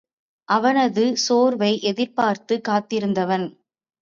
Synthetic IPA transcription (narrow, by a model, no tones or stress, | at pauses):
ʔɐʋɐnɐðɯsoːɾʋɐɪʔɛðɪɾpaːɾt̪ɯkːaːt̪ɪɾɯnd̪ɐʋɐn